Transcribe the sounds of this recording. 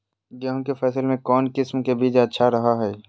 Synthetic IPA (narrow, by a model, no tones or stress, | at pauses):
jəɦõkefɛːsəlemẽkɔːnkɪsmkebiːd͡ʒɐtːʃʰaɾɐɦaɦɛː